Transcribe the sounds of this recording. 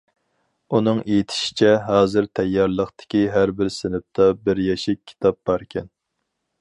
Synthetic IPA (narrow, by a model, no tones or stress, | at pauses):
unɨŋejit̪ʰɪ̥ʃi̥t͡ʃʰɛɦɑːzɨɾt̪ʰɛjːɑɾlˠəχt̪ɪ̥kʲiɦæɾbɪɾsɪnɪp̚t̪ʰɑbɪɾjɛʃɪkʲʰːi̥t̪ʰɑp̚b̥ɑɾkʲʰɛn